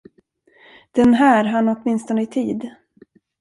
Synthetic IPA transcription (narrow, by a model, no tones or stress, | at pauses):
d̪̥ɛnɦæːɾɦanːɔt̪mɪnst̪ɔnəɪt̪ʰiːd̪